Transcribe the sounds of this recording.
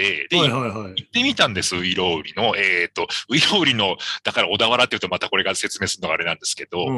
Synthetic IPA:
e̞d̪eajɦaiit̪ːe̞mʲit̪ãnd̪e̞sɨɯ̟iɾo̞ːɯɾʲino̞eːt̪ːo̞ɯ̟iɾo̞ːɯ̟ɾʲino̞d̪̥akaɾao̞d̪aβaɾat̪ːeiɯ̟t̪o̞mat̪ako̞ɾe̞ɡase̞t͡sɨme̞ːsɨɾɯnoɡaːɾe̞nãnd̪e̞sɨ̥ke̞d̪o̞

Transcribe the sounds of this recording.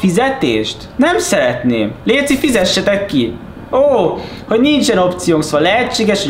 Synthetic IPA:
fizɛt̪eːʃt̪nɛmsɛɾɛt̪neːmleːt̪sifizɛʃːɛt̪ɛkːi | oː | ho̞ɟnint͡ʃɛno̞pt̪sijoːŋksoɒlɛɦɛt͡ʃːeːɡɛʃo

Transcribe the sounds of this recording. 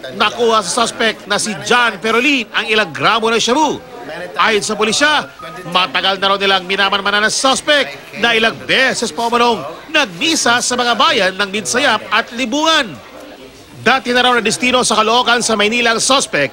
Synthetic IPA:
nɐkuːhɐs̬ɐsɐspɛk̚t̪̚nɐsɪd͡ʒanfɛɾolinɐŋɪlaŋɡɾaːmo̞nɐʃɐbu | ʔaːjʊns̬ɐpʊliʃamɐt̪ɐɡalnɐɾawnɪlaŋmɪnaːmɐnmɐnanɐŋsospɛk̚ | nɐʔɪlaŋbɛsɛspɐʔʊmɐno̞ŋnɐɡ̚niːsɐsɐmɐŋabaːjɐnːɐŋmɪnsɐjap̚ɐt̪lɪbuːŋɐn | d̪aːt̪ɪnɐɾawnɐd̪ɪst̪iːno̞sɐkɐloʔo̞ːkɐnsɐmɐjniːlɐŋsospɛk̚

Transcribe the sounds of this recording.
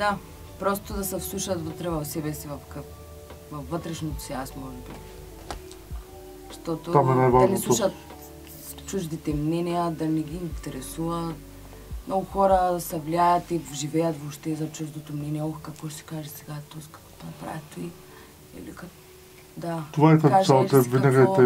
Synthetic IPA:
d̪a | pɾɔst̪od̪ɐsɛfslˠuʃɐt̪vət̪ɾɛvɐfsɛbɛsivɐfkə | vɐfvːət̪ɾɛʃnot̪sɛasmɔʒɛbḭ | ʃt̪ɔt̪oomɛnɛvd̪ɐmislʃɐt̪ | t͡ʃuʒd̪it̪ɛmnɛniɐd̪ɐmiɡʲiːnt̪ɛɾɛsuvɐt̪ | mnoɡʊxɔɾɐsɛvliajɐt̪ivʒivɛjɐt̪voʃt̪ɛzɐt͡ʃuʒd̪ot̪omnɛniɛɔkkɐkvɔʃt̪ɛ̥kaʒɛsɛɡat̪oskɐ̥kɔ̥t̪onɐpɾa̰vʲit̪oi | ɛ̰likɐ | d̪at̪ovaɛt̪akaʒsalɛvinaɡat̪ɛ

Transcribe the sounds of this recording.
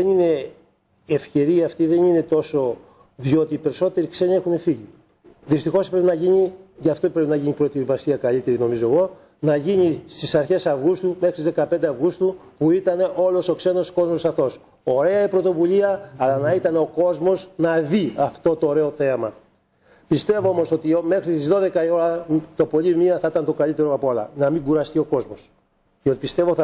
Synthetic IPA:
ðenine̞ː | fçe̞ɾiɐft̪iðe̞nine̞t̪o̞so̞ | ðjo̞t̪iːpe̞ɾiso̞t̪e̞ɾikse̞ɲie̞xune̞fiʝi | ðist̪ixo̞spɾe̞pinɐʝiɲiʝɐft̪o̞pɾeinɐʝiɲipɾo̞t̪ivɐsiɐkɐʎit̪e̞ɾino̞mizo̞eɣo̞ | nɐʝiɲist̪isɐɾçe̞sɐvɣust̪ume̞xɾst̪izðe̞kɐpnd̪eɐvɣust̪u | puit̪ɐne̞ʔo̞lo̞so̞kse̞no̞sko̞zmosɐft̪o̞s | o̞ɾe̞ɐipɾo̞t̪o̞vuʎiɐɐlɐnɐit̪ɐneo̞ko̞zmo̞znɐðiɐft̪o̞t̪o̞ːɾe̞o̞θe̞mɐ | pist̪e̞voomo̞so̞t̪ime̞xɾist̪izðo̞ðe̞kɐio̞ɾɐt̪o̞po̞ʎimiɐθɐit̪ɐnt̪o̞kɐʎit̪e̞ɾo̞ɐpoɐlɐ̰nɐmiŋɡuɾɐst̪io̞ko̞zmo̞s | ceot̪ipist̪e̞vo

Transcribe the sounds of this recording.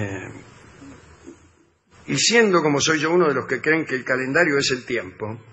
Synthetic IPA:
isjend̪o̞komo̞so̞jʒo̞unoðeloskekɾeːŋkeːlkale̞nd̪aɾjo̞ese̞lt̪je̞mpo̞

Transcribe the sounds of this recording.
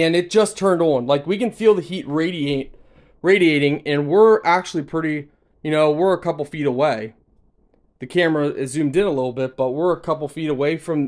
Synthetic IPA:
ɨ̃nɨt̚d̥ʒ̥ʌstʰɜ̃˞ndn̩laɪkwikɨ̃nfilˠðɨhit̚ɹeɪɾieɪt̚ | ɹeɪɾieɪɾɪ̃ŋɨ̃nwɪɹʔæk̚t͡ʃʉl̩ˠipʰɹ̥ɪɾi | jɨnoʊwɪɹəkʰʌpl̩ˠfiɾəweɪ | ðɨkʰæmə˞ɨʔɨzʉ̃mdɨ̃nəlɪɾl̩ˠbɪt̚b̥ʌt̚wɪɹəkʰʌp̬l̩ˠfiɾəweɪfɹʌ̃m

